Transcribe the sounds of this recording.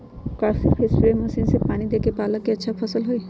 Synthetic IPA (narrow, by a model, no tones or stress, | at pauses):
kasipʰesɾeməsinsepaːɽ̃id̪ekepaːləkeətːʃʰapʰəsəlɦoi